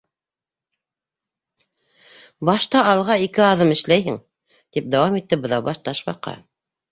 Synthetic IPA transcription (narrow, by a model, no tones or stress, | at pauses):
bɑʃt̪ɑɑlˠʁɑikɘɑðɤmɘ̆ʃlæjɦɘŋ | t̪ip̚d̪æwɑmit̪ːɘbɤ̆ðɑbɑʃt̪ɑʃbɑ̰qɑ̰